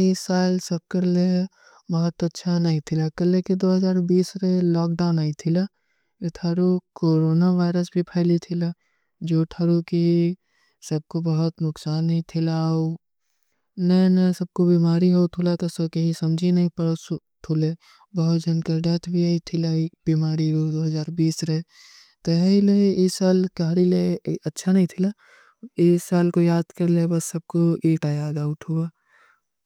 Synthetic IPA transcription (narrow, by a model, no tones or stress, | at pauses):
isaːlsɐb̚kəɾle | bɐɦʊt̪ɐtːʃʰanɐɦĩt̪ʰɪlakɐleked̪oːɦɐzaːɾbiːsɾelɔːk̚ɖaːʊnaːit̪ʰɪla | ʈʰaːɾokoːɾoːnaʋaːɪɾəsbʱipʰɛːlit̪ʰɪla | d͡ʒoːʈʰaːɾoki | sɐb̚kobɐɦʊt̪nʊksaːnːɦĩt̪ʰɪlaːo | nɛnɐsɐb̚kobiːmaːɾiɦot̪ʰʊlak̪ɐsɐkɐɦĩsɐmd͡ʒʱinɐɦĩpɐɾs | t̪ʰʊle | bɐɦʊt̪d͡ʒɐnkəɾd̪aːt̪ʰbʱiait̪ʰɪlaibimaːɾiod̪oːɦɐzaːɾbiːsɾɛ | t̪oɦileɪsaːlkɐɦɾileɐtːʃʰanɐɦĩt̪ʰɪla | ɪsaːlkojaːd̪kɐɾlebɐsːɐb̚koeːʈajaːd̪aːʊʈʰɦuaː